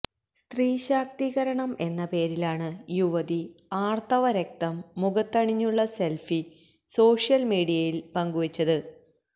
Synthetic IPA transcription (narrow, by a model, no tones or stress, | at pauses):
st̪riːɕaːk̚t̪iɣɐɾɐɳɐmʔe̞nːɐpe̞ːɾilaːɳɨjuʋɐðiaːrt̪ɐʋɐɾek̚t̪ɐmːuɣɐt̪ːɐɳiɲːuɭːɐse̞lfi | so̞ːʂijɐlmiːɽijɐjilpɐŋɡuʋɐt͡ɕːɐðɨ